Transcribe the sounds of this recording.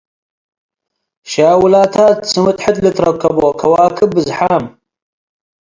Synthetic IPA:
ʃaːwulaːt̪ʰaːtt͡sɨmɨt̪ħət̪lɨt̪ʰɾɐkʰːɐboːkʰɐwaːkʰɨbɨzħaːm

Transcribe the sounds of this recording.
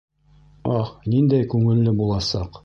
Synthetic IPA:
ɑhnind̪æjkʉŋɘ̆lːɘbulˠɑsɑq

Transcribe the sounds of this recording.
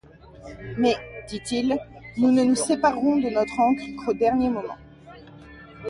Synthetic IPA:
mɛd̪it̪ilnunənusepaʁɔ̃d̪ənɔt̪χɑ̃kχkʰod̪ɛʁnjemɔmɑ̰̃

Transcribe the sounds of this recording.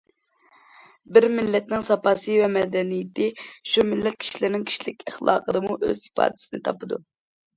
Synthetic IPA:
bɪɾmɪlːɛt̪̚nɪŋsɑpɑːsɨvɛmɛd̪ɛnijɪt̪ʰɪʃumɪlːɛt̪̚kʲʰi̥ʃilɪɾnɪŋkʲʰi̥ʃilɪkʲʰæχlˠɑ̰ːqʰəd̪ɨmuʔø̰z̥sɪ̥pʰɑ̰ːd̪ɪ̥sɨnɨt̪ʰɑpɨd̪ṵ

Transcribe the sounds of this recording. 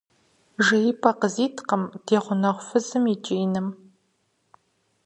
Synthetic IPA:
ʒɐjipʰʼɐqəziːtʰqəmd̥eːʁʷʊnɐʁʷfɨzɨmit͡ʃʼiːnɨm

